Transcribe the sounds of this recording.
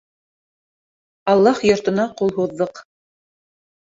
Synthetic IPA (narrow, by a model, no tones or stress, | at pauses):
ɑlˠːɑhjŏɾt̪ɤ̆nɑqulˠɦuðːɤq